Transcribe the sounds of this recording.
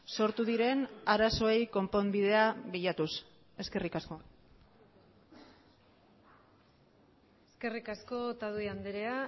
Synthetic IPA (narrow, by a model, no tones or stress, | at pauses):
so̞ɾt̪uðiɾe̞naɾaso̞ejko̞mpombiðe̞aβiʎat̪us | e̞ske̞rikasko̞ | eske̞rikasko̞t̪aðuiand̪eɾea